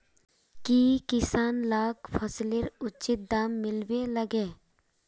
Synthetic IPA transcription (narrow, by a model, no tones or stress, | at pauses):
kikɪsaːnlaːkpʰəslɪɾʊt͡ʃɪt̪̚d̪aːmːɪlʋeləɡeː